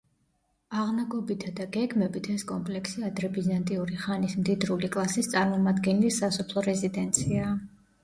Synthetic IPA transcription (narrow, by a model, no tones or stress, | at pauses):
aʁnaɡɔbit̪ʰad̪aɡɛɡmɛbit̪ʰɛskʼɔmpʼlɛksiad̪ɾɛbizant̪ʼiuɾiχanismd̪id̪ɾulikʼlˠasist̪sʼaɾmɔmad̪ɡɛnɛlisasɔpʰlˠɔɾɛzid̪ɛnt̪sʰiaː